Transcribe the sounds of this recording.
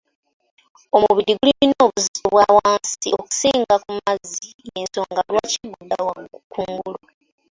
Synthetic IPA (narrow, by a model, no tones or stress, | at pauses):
o̞muβiɾiɡuliuino̞ːβuzizoβwawaːnsioku̥siːŋɡakumazi | jenso̞ːŋɡalwaːciɡudawakʰuːŋɡulu